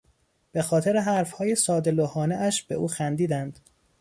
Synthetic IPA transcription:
b̥e̞xɒːt̪ʰe̞ɾeɦæɾfhɒːjesɒːd̪e̞lohɒːneʔæʃbe̞ʔuːxænd̪iːd̪ænd̪̥

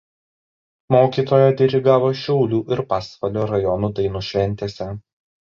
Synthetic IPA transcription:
moːkʲiːt̪oːjɛd̪ʲɛɾʲɪɡɑːʋoːʃʲɛʊlʲuːʔɪɾpɑːspɐlʲoːɾɐjɔnuːd̪ɐɪnuːʃʲʋʲɛnʲt̪ʲeːsʲɛ

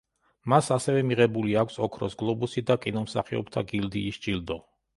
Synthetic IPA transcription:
masasɛvɛmiʁɛbuliakʷʰsɔkʰɾɔsɡlˠɔbusid̪akʼinɔmsa̰χiɔ̰pt̪ʰaɡild̪iːsd͡ʒild̪ɔ

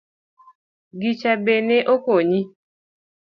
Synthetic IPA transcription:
ɡit͡ʃabeneʔokoɲi

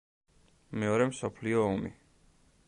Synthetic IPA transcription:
mɛɔɾɛmsɔpʰliɔɔmḭ

